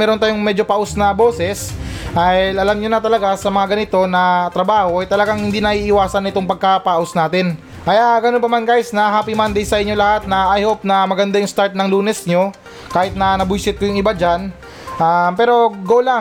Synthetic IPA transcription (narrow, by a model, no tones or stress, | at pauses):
mɛːɾont̪aːjoŋmɛd͡ʒopɐʔosnɐbo̞ːsɛsajlʔɐlamɲonɐt̪ɐlɐɡasɐmɐŋaɡɐnɪt̪o̞nɐt̪ɾɐbaːho̞ʔɐjt̪ɐlɐɡaŋhɪnd̪inɐʔiːʔɪwaːsɐnɪt̪oŋpɐɡ̚kapaʔosnaːt̪ɪn | ʔɐjaɡɐnonp̬ɐmankaːjɪsnɐɦaːpimand̪ɛjsɐʔɪɲːo̞lɐhat̪̚nɐʔɐjhop̚nɐmɐɡɐnd̪ajʊŋst̪aɾt̪̚nɐŋluːnɛsɲo̞ | kaːhɪt̪̚nɐnɐbujsɪt̪̚kɐjʊŋɪbad͡ʒan | ʔampɛːɾo̞ɡoːla